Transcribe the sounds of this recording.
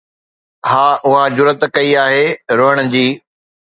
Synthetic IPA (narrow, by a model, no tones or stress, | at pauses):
haːʔʊɦad͡ʑʊɾət̪kɐiaːɦeːɾoːəɽ̃ʊ̆d͡ʑiː